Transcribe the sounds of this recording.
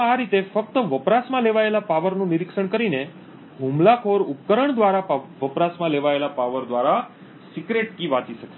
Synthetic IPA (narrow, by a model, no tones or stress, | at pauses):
aɾit̪efək̚t̪əʋəpɾasmãleʋaelapaʋəɾnũniɾikʃəɳkəɾine | ɦũmlakʰoɾupkəɾəɳd̪ʋaɾapaʋəpɾasmãleʋaelapaʋəɾd̪ʋaɾa | sikɾeʈkiʋat͡ʃiʃəkʃe